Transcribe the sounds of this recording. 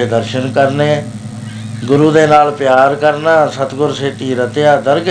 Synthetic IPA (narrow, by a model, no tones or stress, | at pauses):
eːd̪əɾʃənkəɾneː | ɡʊɾuːd̪eːnaːlpɪjaːɾkəɾnãːsət̪ɡʊɾseːʈ̪iːɾət̪ejaːd̪əɾɡ